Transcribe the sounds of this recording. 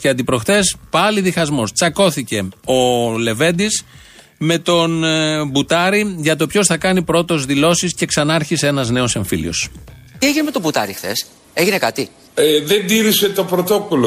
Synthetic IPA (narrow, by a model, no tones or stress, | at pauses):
ceɐnd̪ipɾo̞xt̪e̞spɐliðixɐzmo̞st͡sɐko̞θice̞o̞le̞ve̞nd̪is | me̞t̪o̞nbut̪ɐɾiʝɐt̪o̞pço̞sθɐkɐnipɾo̞t̪o̞zðilo̞sisce̞ksɐnɐɐɾçise̞nɐzne̞o̞se̞ɱfilḭo̞̰sieʝineme̞t̪obut̪ɐ̰ɾixθe̞̰s | eʝinekɐt̪i | eðe̞nd̪iɾise̞t̪o̞pɾot̪o̞kolo